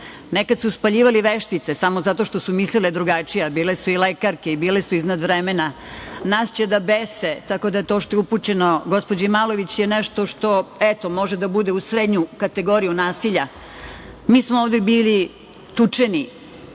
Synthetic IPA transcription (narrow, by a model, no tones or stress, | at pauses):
nekad̪suspaʎiːʋaliʋeʃt̪it̪sesamozat̪o̞ʃt̪o̞sumisliled̪ɾuɡat͡ʂijabiːlesuilekaɾke̞ibiːlesuiznad̪ʋɾemena | nast͡ɕed̪abeset̪ako̞d̪aje̞t̪oʃt̪ojeuput͡ɕe̞noɡo̞spod͡ʑemalo̞ʋit͡ɕjeneʃt̪o̞ʃt̪o̞et̪o̞mo̞ʒed̪abud̪eusɾed̪ɲukat̪eɡo̞ɾijunaːsiʎa | miːsmooːʋd̪ebiːli | t̪ut͡ʂeni